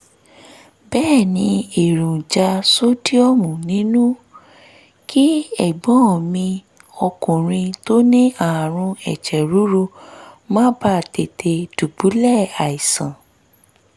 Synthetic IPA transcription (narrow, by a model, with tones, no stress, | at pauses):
bɛː˦˨nĩ˨˧˦e˨ɾũ˨d͡ʒa˧so˦di˦ɔ˦˨mũ˨nĩ˨˦nũ˦ | ki˦ɛ˦˨ɡ͡bɔ̃˨˦ɔ˨mĩ˧ | ɔ˧kũ˨ɾ̃ĩ˧to˦nĩ˦ã˨ɾ̃ũ˧ɛ˨t͡ʃɛ˨ɾu˨˦ɾu˦mãː˦ba˦˨te˨tʰe˧du˨bu˨˦lɛ˦˨a˨i˨sã˨